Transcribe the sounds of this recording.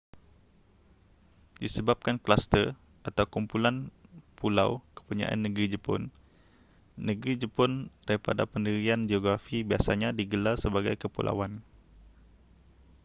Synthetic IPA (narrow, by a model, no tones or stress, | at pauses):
disəbap̚kanklast̪ər | ʔat̪awkumpulanpula̰wkə̥puɲã̰ʔa̰nːəɡɾid͡ʒəpʊ̰n | əɡɾid͡ʒəpʊndaɾipa̰da̰pəndiɾiand͡ʒioɡɾafibiasaɲãdiɡəlarsəbaɡa̰jkəpṵlʔa̰wan